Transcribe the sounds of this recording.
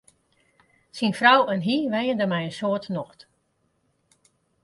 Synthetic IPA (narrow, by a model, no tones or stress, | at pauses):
sinfrawənɦiʋɛjəndəmɛjənsoətnɔxt